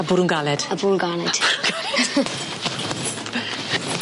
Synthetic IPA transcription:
abʊɾʊnɡalɛd̥abʊːnɡalɛd̥ʊɾnɡalɛ̥

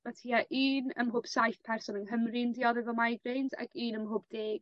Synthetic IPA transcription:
matʰiːaʔiːnə̰mɦʊːb̥sajθpʰɛrsɔnənɦəmrɪndiɔðɪvɔmajɡrejnda̰ɡiːnəmɦʊːb̚d̥eːɡ̥

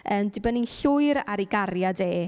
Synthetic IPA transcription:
əːmdɪbəninɬʊɨɾaɾiɡaɾjadeː

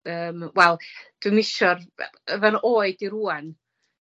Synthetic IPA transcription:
əːmwɛlˠd̥wɨmɪʃɔrəvanʔoːɨdiɾuːan

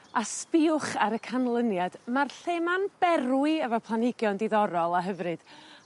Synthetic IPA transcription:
aspɪʊχaɾəkʰanlˠənjad̥marɬemanb̥ɛɾwɪɛvɔpʰlˠanɪɡjɔndiðɔɾɔlˠaɦəvrɨd̥

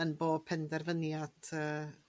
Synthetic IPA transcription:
ənboːpʰɛndɛrvənjad̥əː

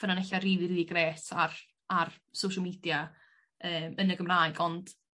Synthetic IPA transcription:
vənanɛɬariːðiriːðiɡreːtʰar | arsowʃəlˠmiːdja | əːmənəɡəmrajɡɔnd̥

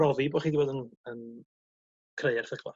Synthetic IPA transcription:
ɔviboχiːdivoːdənən | kʰrejɛrθɪɡʰlˠa̰

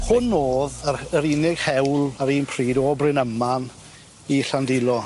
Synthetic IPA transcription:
hʊnːoːðəəɾinɪɡ̥hɛwlˠaɾiːnpʰr̥iːdoːbrɪnəman | iɬandɪlˠɔ

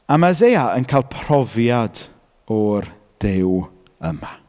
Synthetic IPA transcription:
amazejaʔənkʰaːlˠpʰrɔvjad | ɔr | d̥ɪw | əma

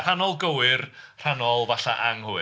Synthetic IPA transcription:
r̥anɔlˠɡəwɨrr̥anɔlˠvaɬaʔaŋhʊ

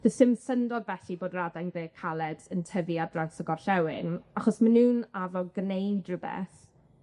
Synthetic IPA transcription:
v̥əsɪmsəndɔdvɛɬiboːdradajnðeːkʰalɛdsəntʰəviadransəɡɔrɬɛwɪnaχɔsmanuːnavɔɡnejdrəbɛ̰θ

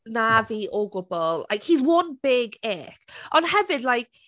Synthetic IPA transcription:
naviʔoɡʊbɔlˠla̰ɪkhizwʌ̃nb̥ɪɡɪkʔə̃nhɛvɪdˡlajk̚

